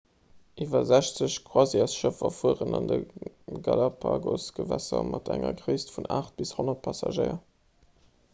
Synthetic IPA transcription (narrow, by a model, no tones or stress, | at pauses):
ʔiːvɐzæɕt͡səɕkwɑziɑsʃəfɐfuəʁənɑndə | ɡɑlɑpʰaːɡosɡ̥əvæsɐmʔɑtæŋɐ̰ɡʁiːstfunaːχt̚b̥ishonɐt̚pʰɑsɑʒəɪɐ